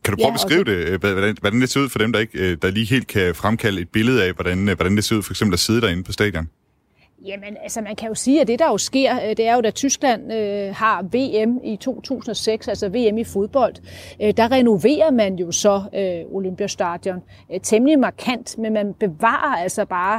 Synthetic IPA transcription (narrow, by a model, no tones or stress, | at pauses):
kʰædɾu̥pʰɒːb̥eesʁḭːʊd̥e̝ʋæʋdænʋɒd̥ænd̥e̝se̝ɐuð̰ˠfɒ̽ɾ̥emd̥ɑ̈e̝ɡ̥d̥ɑ̈liːɦe̝̰ːld̥̚kʰæfʁamkʰæləe̝d̥̚b̥e̝ləð̞̩ˠæʋɒɾ̥ænʋɒɾ̥ænd̥e̝se̝ɐuð̰ˠfɒ̽eɡ̥semb̥læse̝ð̞ˠəɾ̥æɐe̝nəpʰɒ̽sd̥ɛ̰ːd̥ˠjɒn | jæmenælsɐmænkʰæjo̝siːæd̥e̝d̥ɑ̈jo̝sɡ̥e̝ɐ̰d̥e̝æɐjo̝d̥æt͡sʰysɡ̥læn̰øhɑ̈ʋe̝̰ːemit͡sʰo̝̰ːt͡sʰṵːsn̩ɒ̽seɡ̥sælsɐʋe̝̰emifo̝ð̞ˠb̥ɒ̽l̰d̥d̥ɑ̈ʁɛno̝ʋe̝̰ːɐmænjo̝sɒ̽øo̝lømb̥jæsd̥ɑd̥jɒn | t͡sʰemlimɑ̈kʰæn̰d̥menmænb̥e̝ʋɑ̰̈ːɐæl̰sɒb̥ɑ̈ː